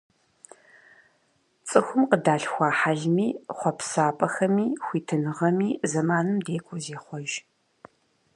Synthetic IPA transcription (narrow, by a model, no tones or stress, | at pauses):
t͡sʼɨxʷʊmqədaːɬxʷɑːħaɮmiːχʷɔpsaːpʼɐxɐmiːxʷiːtʰɨnɨʁɐmiːzɐmaːnɨmdeːkʷʰʼʊzeːχʷɔʒ